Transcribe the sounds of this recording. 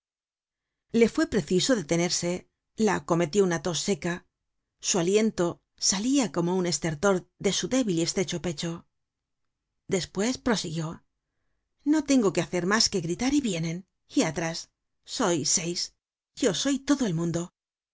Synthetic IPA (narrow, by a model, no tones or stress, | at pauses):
le̞fwe̞pɾe̞θiso̞ðe̞t̪e̞ne̞ɾse̞ | lako̞me̞t̪jo̞unat̪osːe̞ka | sualje̞nt̪o̞ | saliako̞mo̞une̞st̪e̞ɾt̪o̞ɾðe̞suðe̞βiliest̪ɾe̞t͡ʃo̞pe̞t͡ʃo̞ | d̪e̞spwe̞spɾo̞siɣjo̞ | no̞t̪e̞ŋɡo̞ke̞aθe̞ɾmaske̞ɣɾit̪aɾiβje̞ne̞n | iat̪ɾasː | o̞jsejs | ʝo̞so̞jt̪oðoe̞lmũnd̪o̞